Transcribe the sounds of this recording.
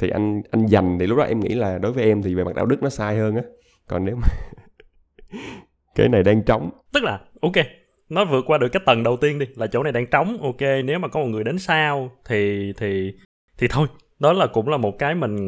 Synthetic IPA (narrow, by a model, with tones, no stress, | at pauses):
t̪ʰi˨˩ʔa˧jŋʔa˧jŋza˨˩ŋ̟t̪i˨˩lʊ˦˥k͡p̚ɗɔ̰˨˧ʔɛ˧mŋḭ˧˥laː˨˩ɗo˨˦jvəː˨˦jʔɛ˧mt̪ʰi˨˩ve˨˩ma˨˩ɗaː˧wɗɨ˦˥k̚nɔ˨˦saː˧jhəː˧nʔaː˨˦ | kɔ˨˩nːe˨˦wmaː˨˩ | kaː˨˦jna˨˩jɗaː˧ŋt͡ɕɔ˨˦wŋ͡mt̪ɨ˦˥k̚laː˨˩ʔo˧ke˧ | nɔ˨˦vɨ˨˩ət̚kwaː˧ɗɨ˨˩əkːaː˨˦jt̪ə˨˩nɗə˨˩wt̪i˧ənɗi˧laː˨˩t͡ɕo̰˧˩na˨˩jɗaː˧ŋt͡ɕɔ˨˦wŋ͡mʔo˧ke˧ne˨˦wmaː˨˩kɔ˨˦mo˨˩t̚ŋɨ˨˩əjɗe˨˦nsaː˧wt̪ʰi˨˩t̪ʰi˨˩ | t̪ʰi˨˩t̪ʰo˧j | ɗɔ˨˦laː˨˩kʊ̰˧˥ŋ͡mlaː˨˩mo˨˩t̚kaː˨˦jmï˨˩ŋ̟